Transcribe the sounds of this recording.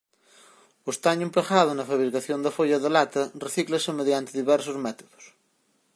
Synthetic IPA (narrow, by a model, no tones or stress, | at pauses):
ost̪aɲemplaxaðonɐfaβɾikaθjond̪ɐfoʎɐðelat̪ɐreθiklɐsemeðjant̪eðiβɛɾsozmɛt̪o̥ðo̥s